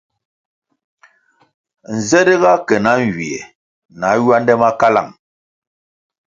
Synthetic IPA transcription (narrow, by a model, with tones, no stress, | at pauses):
n̩˨zɛ˦də˦ɣa˦kɛ˨na˨˦ŋ˨ɡi˨ɛ˨ | na˨˦ɥɥa˦ndɛ˦ma˦ka˦la̰˨ŋ